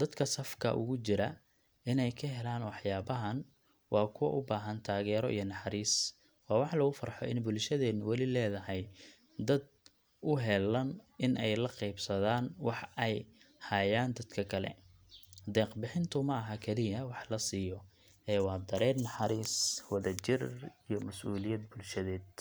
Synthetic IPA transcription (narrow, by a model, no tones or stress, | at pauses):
d̪̥ɐd̪kʰɐsɐfkʰɐ̰ʔʊ̰ɣʊt͡ʃɪɾɐ | ɪnɛjkʰɐɦɛlaːnwɑħjaːβɐɦɐn | wʔɑːkʰʊwɐ̰ʔʊbaːɦɐnt̪ʰaːɣɛːɾɔʔḭjɞnɑħɑɾiːs | wɑːwɑħlɐɣʊfɐrħɔ̰ʔɪ̰nbʊlʃɐðɛːnʊwɑlɪlɛːðɐɦɛj | d̪ɐd̪̚ | ʊɦɛlɐnɪnʔɛjlɐqɛjbsɐðaːnwɑħɛjhɐjaːnd̪ɐd̪kʰɐkʰɐlɛ̰ | d̪ɛːqbɪħɪnt̪ʰʊmɐʔɐɦɐkʰɛlɪjɐwɑħlɐsiːjɔ | ʔɛːwɑːd̪ɐɾɛːd̪nɐħɑɾiːswɐðɐt͡ʃɪrijɔmɐsʔuːlɪjɐd̪̚bʊlʃɐðɛːd̪̚